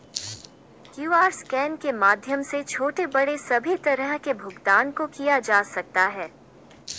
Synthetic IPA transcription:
kjuːaːɾskɛːnkemaːd̪ʱjəmset͡ʃʰoːʈebɐɽesɐbʱit̪ɐɾəɦkebʱʊɡd̪aːnkokijad͡ʒaːsɐk̚t̪aɦɛː

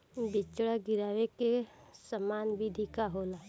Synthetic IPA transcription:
bɪt͡ʃɽaɡɪɾaːʋekesəmaːnbʱɪd̪ʱikaɦoːlaː

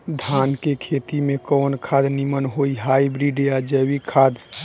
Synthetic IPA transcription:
d̪ʱankekʰet̪imẽkɔnkʰad̪nimənɦoiɦaibɾiɖead͡ʒəwikʰad̪

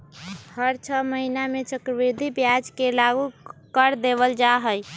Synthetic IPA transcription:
həɾt͡ʃʰəməɦinamet͡ʃəkɾəbiɾd̪ʱibjad͡ʒkelaɡukəɾd̪ebəld͡ʒaɦəj

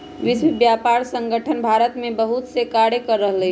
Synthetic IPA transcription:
ʋɪswɪbjaːpaːɾsə̃ŋɡəʈʰənbʱaːɾət̪mẽbəɦut̪sekaːɽekəɾːəɦle

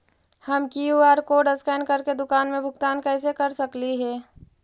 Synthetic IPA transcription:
hɐmkiuaːɾkoːɖəskɛːnkəɾked̪ʊkaːnmẽbʱʊɡt̪aːnkɛːs̬ekɐɾsəkliɦɛː

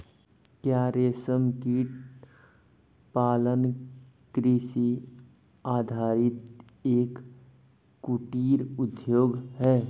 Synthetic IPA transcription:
kjaːɾeːsəmkiʈ | paːlən | kɾisi | aːd̪ʱaːɾɪt̪ | eːkː | uʈiːɾʊd̪joːɡɦɛː

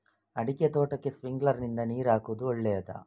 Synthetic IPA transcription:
ɐɽiket̪oːʈɐkːe̞sʋiŋɡlɐɾnind̪ɐniːɾaːkuʋd̪uɔɭːɛjɐt̪ɐ̰

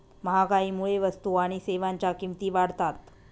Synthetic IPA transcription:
məɦakaiːmuɭeʋəst̪uaɽ̃iseʋaɲt͡ɕakimt̪iːʋaɽt̪at̪

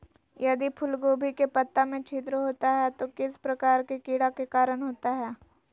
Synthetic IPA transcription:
jɐd̪ipʰʊlɡoːbʱikepɐt̪ːamẽt͡ʃʰiːt̪̬ɾəɦoːt̪aɦɛt̪okɪspɾɐkaːɾkekiːɽakekaːɾəɽɦoːt̪aɦɛː

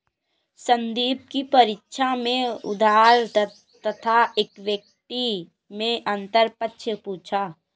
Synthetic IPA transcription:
sə̃nd̪iːb̚kipɐɾɪtʃʰamẽʊ̰d̪ʱaːɾ | t̪ət̪ʰaeːkʋjək̚t̪i | mẽʔə̃nt̪əɾpətːʃʰəpuːt͡ʃʰaː

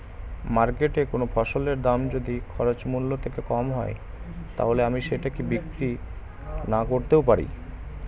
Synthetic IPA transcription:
maɾkeʈekonofʰɔʃoleɾd̪amd͡ʑod̪ikʰɔɾot͡ɕmulːot̪ʰekekɔmɦɔe | t̪a̰ɦoleamiʃeʈakibikɾi | nakoɾt̪ewp̬aɾḭ

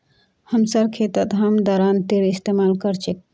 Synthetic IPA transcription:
həmsəɾkʰet̪ət̪ɦəmd̪ɔːɾant̪eɾist̪emalkəɾt͡ʃʰek̚

